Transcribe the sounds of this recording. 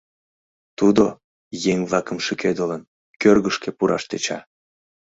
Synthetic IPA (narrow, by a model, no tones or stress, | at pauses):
t̪ud̪o | jeŋβlˠɑkəmʃykʰed̪olən | kørɣəʃkepuɾʔɑ̰ʃt̪et͡ɕɑ̰